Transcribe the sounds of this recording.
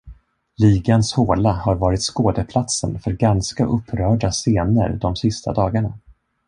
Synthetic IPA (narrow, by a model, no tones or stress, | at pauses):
liːɡanshoːlahaɾvɑːɾɪt̪skoːd̪əpʰlat̪sənfœɾɡanskaʔɵpʰːɾœːɖaseːnə̰ɾd̪ɔmsɪst̪ʰa̰d̪ɑːɡaɳa